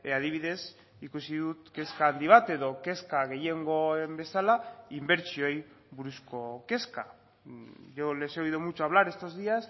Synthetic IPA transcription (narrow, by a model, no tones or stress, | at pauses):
að̞iβ̞iðe̞s | ikusiðut̪ke̞skaːnd̪iβ̞at̪e̞ðo̞ke̞skaɣe̞je̞ŋɡo̞embe̞salaimbe̞ɾt͡ʃio̞j | βuɾusko̞ke̞ska | ʝole̞seojðomut͡ʃoaβ̞laɾe̞st̪o̞zðias